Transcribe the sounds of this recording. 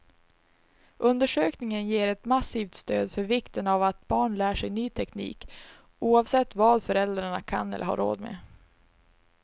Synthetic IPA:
ʔɵnd̪əʂøːknɪŋənjeːɾɛt̪masiːft̪st̪øːd̪fœɾvɪkt̪ənavat̪̚bɑːɳlæːʂɛjnyːt̪ʰɛknḭːk | uːɑːvsɛt̪ːvɑːd̪fœɾɛld̪ɾaɳakʰa̰nɛ̰lʔə̰hɑ̰ɾo̰ːd̪mḛ

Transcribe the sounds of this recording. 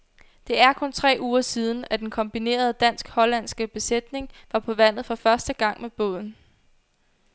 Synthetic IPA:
d̥e̝æɐkʰɔ̽nt͡sʰʁɛ̰ːuːɐsiːð̞ˠn̩æd̥enkʰɒ̽mb̥ine̝̰ːɐð̞ˠəd̥æn̰sɡ̥hɒ̽læn̰sɡ̥əb̥e̝sed̥ne̝ŋʋɑ̈pʰɒ̽ʋæn̰ð̩ˠfɒ̽fɶɐsd̥əɡ̥ɑ̈ŋ̰meb̥ɔ̰̽ð̞̰ˠn̩

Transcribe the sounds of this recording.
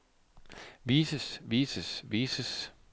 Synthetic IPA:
ʋiːsəsʋiːsəsʋiːsəs

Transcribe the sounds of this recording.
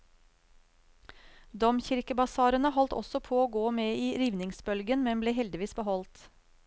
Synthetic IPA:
d̪ɔmçɪɾkəbɑsɑːɾənəhɔlt̪ɔ̰sɔpʰoːoːɡoːmeːiːɾiːʋnɪŋsbœlɡənmɛmbleːɦɛld̪ɪʋiːsbəɦɔlt̪

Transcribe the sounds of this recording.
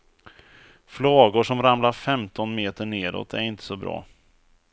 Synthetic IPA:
flɑːɡʊʂɔmɾamlaɾfɛmt̪ʰɔnmeːt̪əɳeːɾo̰t̪ʰæɾɪnt̪ʰə̥sɔbɾɑ̰ː

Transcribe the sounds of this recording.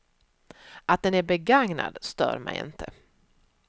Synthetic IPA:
ʔat̪̚d̪ɛnæɾbɛɡaŋna̰d̪st̪œ̰ːɾmɛjɪ̰nt̪ʰə

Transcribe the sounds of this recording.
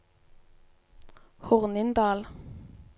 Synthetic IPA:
hʊʁnɪnd̪ɑːl

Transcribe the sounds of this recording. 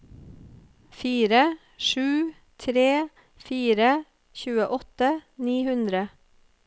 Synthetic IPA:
fiːɾə | ʃʉː | t̪ʰɾeː | fiːɾə | çʉːəʔɔt̪əniːhʉnd̪ɾə

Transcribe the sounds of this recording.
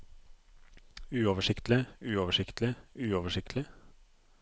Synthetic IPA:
ʉːoːʋəʂɪkt̪lɪʉːoːʋəʂɪkt̪lɪʉːoːʋəʂɪk̚t̪ʰlɪ

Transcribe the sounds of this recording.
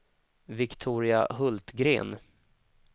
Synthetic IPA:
vɪkt̪ʰuːɾɪa̰ɦɵlt̪ɡɾḛːn

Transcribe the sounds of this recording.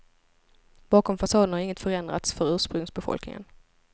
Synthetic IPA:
b̥ɑːkɔmfasɑːd̪ən̩haɾɪŋːət̪fœɾɛnd̪ɾa̰t̪sfœɾʉ̟ːʂpɾɵŋsbɛfɔ̰lknɪ̰ŋə̰n

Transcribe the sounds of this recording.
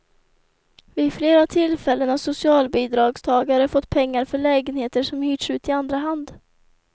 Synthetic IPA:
vɪfleːɾavt̪ʰɪlfɛlːənasʊsɪɑːlbiːd̪ɾɑːɡst̪ʰɑːɡaaɾəfɔt̪ːpʰɛŋːaɾfœɭɛːɡənheːt̪əʂɔmhyːʈʂʉ̟ːt̪ɪand̪ɾaɦand̪

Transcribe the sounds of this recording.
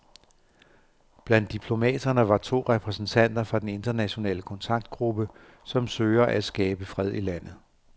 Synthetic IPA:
b̥læn̰d̥ːipʰlo̝mɛ̰ːd̥ɐnəʋɑ̈t͡sʰo̝̰ːʁɛpʰʁɛsn̩t͡sʰæn̰d̥ɐfɑ̈d̥ene̝nd̥ɐnæɕo̝nɛ̰ːləkʰɒ̽nt͡sʰɑ̈ɡ̥̚d̥̚ɡ̥ʁub̥ə | sɒ̽msøːɐʔæsɡ̥ɛːb̥əfʁɛð̞̰ˠʔilæn̰ð̩ˠ

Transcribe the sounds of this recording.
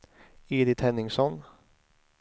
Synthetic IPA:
eːd̪ɪt̪hɛnːɪŋsɔn

